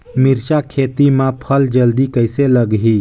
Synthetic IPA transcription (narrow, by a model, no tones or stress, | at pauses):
miɾt͡ʃakʰet̪imãpʰəld͡ʒəld̪ikəjseləɡɦi